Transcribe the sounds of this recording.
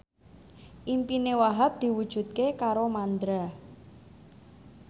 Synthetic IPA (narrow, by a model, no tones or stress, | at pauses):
ʔimpinewaɦap̚d̪̥i̤wud̥ʒ̥ṳt̪̚kekaɾomand̪ɾa